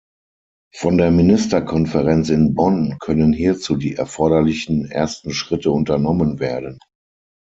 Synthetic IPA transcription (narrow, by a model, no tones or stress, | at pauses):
fɔndeːɐmɪnɪstɐkʰɔnfəʁɛnt͡sɪnbɔnkʰœnənɦiːɐt͡suːdiːʔɛɐfɔɐɾɐlɪçn̩ʔḛːɐstn̩ʃʁ̥ɪtəʊntɐnɔmənveːɐdən